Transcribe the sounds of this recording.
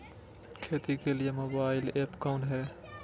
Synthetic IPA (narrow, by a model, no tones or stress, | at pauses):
kʰeːt̪ikelɪjemoːbaːɪleːpkaːɳʈɦɛː